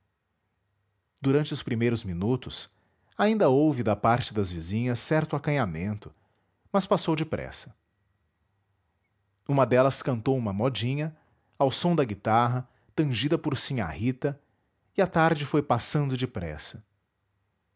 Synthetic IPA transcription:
d̪̥uɾɐ̃nt͡ʃɪʊspɾimejɾʊzminut̪ʊs | aĩnd̪ɐowvɪd̪ɐpaɾt͡ʃɪd̪ɐzvizĩɲɐsːɛɾt̪ʊakɐ̃ɲamẽnt̪ʊ | mɐspasowd͡ʒɪpɾɛ̰sɐ̥ | ũmɐd̪ɛlɐskɐ̃nt̪owũmɐmɔd͡ʒĩɲɐ | awsõw̃d̪ɐɡit̪aɦɐ | t̪ɐ̃ʒid̪ɐpoɾsĩɲa̰hit̪ɐ | ɪat̪aɾd͡ʒɪfojpasɐ̃nd̪ʊd͡ʒɪpɾɛ̰sɐ̥

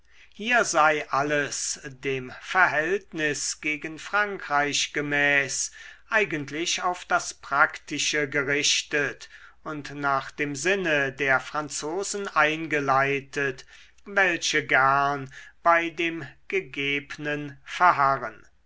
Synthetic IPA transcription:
hiːɐzaɪʔaləsdeːmfɛɐɦɛltnɪsɡ̥eːɡənfʁ̥aŋkʁ̥aɪʃɡ̥əmɛːsʔaɪɡəntʰlɪʃaʊfd̥aspʁ̥aktɪʃəɡəʁɪʃtətʊntnaːχd̥eːmzɪnədeːɐfʁ̥ant͡soːzn̩ʔaɪnɡəlaɪtət | vɛlʃəɡæɐnb̥aɪdeːmɡ̥əɡeːbənənfɛɐɦaʁən

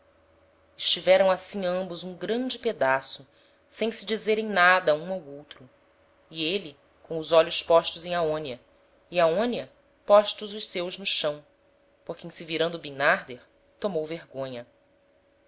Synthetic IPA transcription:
ɪʃt͡ʃivɛɾɐ̃w̃asĩɐ̃mbʊzũɡɾɐ̃d͡ʒɪped̪asʊ | sẽj̃sɪd͡ʒizeɾẽj̃nad̪ɐũowowt̪ɾʊ | ieli | kõw̃ʊzɔʎʊspɔʃt̪ʊzẽj̃aõniɐ | iaõniɐ | pɔʃt̪ʊzʊʃsewznʊʃɐ̃w̃ | poɾkeĩsiviɾɐ̃nd̪ʊbinaɾd̪eɾ | t̪omowveɾɡõɲɐ

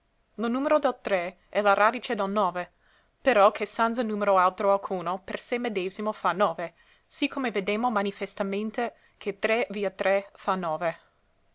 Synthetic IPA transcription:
lonuːmeɾod̪elt̪ɾe | ɛlaɾaːd̪it͡ʃed̪elnɔːve | peɾɔkʰesanzənuːmeɾoalt̪ɾoalkʰuːnopersemed̪eːzimofanɔːve | sikʰomeved̪eːmomanifest̪ament̪e | kʰet̪ɾeviːat̪ɾɛfanɔːve

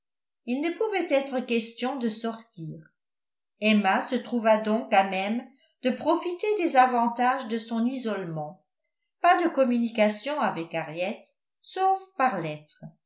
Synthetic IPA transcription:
ilnəpuvɛt̪ɛt̪χəkʲɛst̪jɔ̃d̪əsɔʁt̪iːʁ | ɛmasət̪χuvad̪ɔ̃kamɛm | d̪əpχɔfit̪ed̪ezavɑ̃t̪aʒd̪əsɔ̃nizɔlmɑ̃ | pad̪əkɔmynikasjɔ̃avɛkaʁjɛt̪ | sofpaʁlɛt̪χə

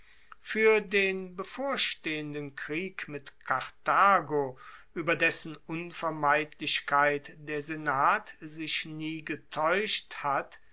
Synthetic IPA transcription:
fyːɐdeːnbəfoːɐʃteːəndənkʁiːkmɪtkʰaʁtaːɡoʔyːbɐdɛsn̩ʊnfɛɐmaɪtʰlɪʃkaɪtdeːɐzenaːtzɪʃniːɡətʰɔʏʃthat

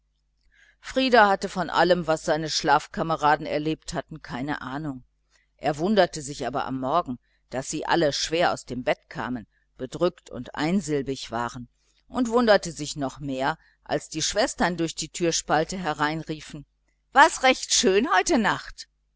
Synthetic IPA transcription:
fʁ̥iːdahatəfɔnʔa̰ləmvasz̥aɪnəʃlaːfkʰaməʁaːdn̩ɛ̰ɐleːpthatn̩kʰaɪnə̰ʔaːnʊŋ | ʔḛːɐvʊndɐtəzɪçʔaːbɐ̰ʔa̰mːɔɐɡŋ̩ | d̥asz̥iːʔa̰ləʃv̥eːɐa̰ʊsd̥eːmbɛtkʰa̰ːmən | b̥ədʁʏktʰʊ̰ntʔa̰ɪnzɪlbɪçv̥a̰ːʁən | ʔʊntv̥ʊndɐtəzɪçnɔχmeːɐ | ʔa̰lsd̥iːʃv̥ɛstɐndʊɐçd̥iːtʰyːɐʃpaltəɦɛɐʁaɪnʁiːfn̩ | v̥asʁɛçtʃøːnhɔʏtənaχt

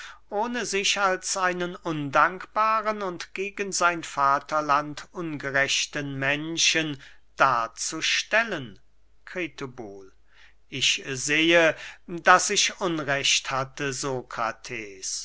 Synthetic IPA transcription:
ʔoːnəzɪʃalsʔaɪnənʊndaŋkb̥aːʁənʊntɡ̥eːɡənzaɪnfaːtʰɐlantʔʊnɡəʁɛʃtənmɛnʃən | d̥aːɐt͡suʃtɛlən | kʁ̥eːtobuːl | ʔɪçzeːədasɪʃʔʊnʁɛʃthatəzokʁ̥a̰tʰeːs

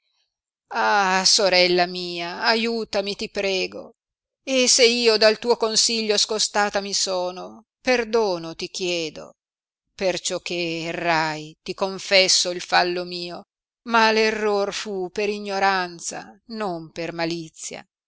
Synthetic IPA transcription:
asoɾɛlːamiːaːjuːt̪amit̪ipɾɛːɡo̰ | eseiːod̪alt̪uːokonsiʎːoskost̪aːt̪amisɔːno | perd̪oːnot̪ikjɛːd̪o̰ | pert͡ʃɔk̟ːerːajt̪ikoɱfɛsːoilfalːomiːo | malerːorfupeɾiɲːoɾant̪sa̰nompermalit̪sːja̰

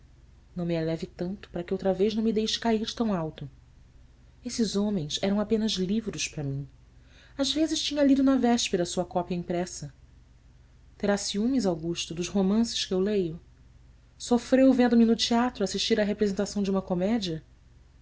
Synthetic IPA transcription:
nɐ̃w̃mielɛvɪt̪ɐ̃nt̪ʊ̥paɾɐkɪowt̪ɾɐvejʒnɐ̃w̃mid̪ejʃɪ̥kaihd͡ʒɪt̪ɐ̃w̃awt̪ʊ | esɪzõmẽj̃sɛɾɐ̃w̃apẽnɐzlivɾʊʃpɾɐmĩ | azvezɪʃt͡ʃĩɲɐlid̪ʊnɐvɛʃpeɾɐsuɐkɔpjɐĩpɾɛsɐ | t̪eɾasiũmĩzawɡuʃt̪ʊd̪ʊʃɦomɐ̃sɪ̥ʃkɪewlejʊ | sofɾewvẽnd̪ʊmɪnʊt͡ʃiat̪ɾʊasiʃt͡ʃiɾɐɦepɾezẽnt̪asɐ̃w̃d͡ʒũmɐkomɛd͡ʒiɐ

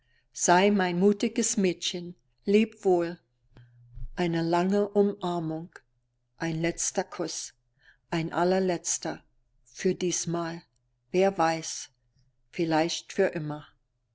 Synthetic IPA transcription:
z̥aɪmaɪnmuːtɪɡəsmɛːtçən | leːpv̥oːl | ʔaɪnəlaŋəʔʊmʔaɐmʊŋ | ʔaɪnlɛt͡stɐkʰʊs | ʔaɪnʔa̰lɐlɛt͡stɐ | fyːɐdiːsmaːl | veːɐvaɪs | fɪlaɪçtfyːɐʔɪmɐ

